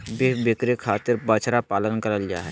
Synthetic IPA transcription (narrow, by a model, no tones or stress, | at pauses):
bebekɾekʰaːt̪ɪɾbət͡ʃɾapaːlənkəɾəld͡ʒa̰ɦɛː